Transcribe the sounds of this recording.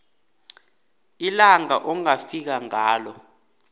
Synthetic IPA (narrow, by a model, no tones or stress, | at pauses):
ilaŋaʔɔŋafik̬aŋaːlɔ